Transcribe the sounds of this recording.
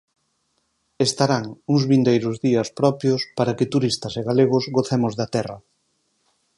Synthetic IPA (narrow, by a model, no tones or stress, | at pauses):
est̪aɾaŋuŋzβind̪ejɾʊzðiɐspɾɔpjospaɾɐkɪt̪uɾist̪ɐseɣaleɣ̞ʊzɣoθemʊzðɐt̪ɛrɐ